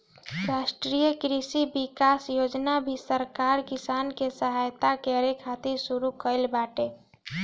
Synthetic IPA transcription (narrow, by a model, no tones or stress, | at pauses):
ɾasʈɾijəkɾisibikasjod͡ʒnabʱisəɾkaɾkisankesəɦajt̪akeɾekʰat̪iɾsuɾukəɪlbaʈe